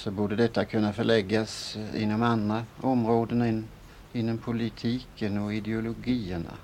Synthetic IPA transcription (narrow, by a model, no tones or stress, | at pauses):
sɔbuːɖəd̪ɛt̪ːakʰɵnːafœɭɛɡːasɪ̰nːɔmand̪ɾaɔmɾoːd̪ən | ɪnːɔmpʰʊlɪt̪ʰiːkʰənɔɪd̪ɛʊlʊɡiːəɳa̰